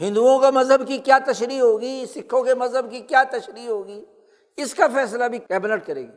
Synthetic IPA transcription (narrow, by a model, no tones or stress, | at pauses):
ɦɪ̃nd̪uõkamɐzɦəbkikjaːt̪ɐʃɾiːɦoːɡisɪkʰːõkemɐzɦəbkikjaːt̪ɐʃɾiːɦoːɡiː | ɪskafɛːs̬labʱikɛːbɪnəʈkɐɾḛːɡiː